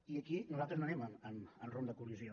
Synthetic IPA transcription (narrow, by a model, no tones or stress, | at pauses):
iəkinuzalt̪ɾəznoənɛməməmənromd̪əkuliuzio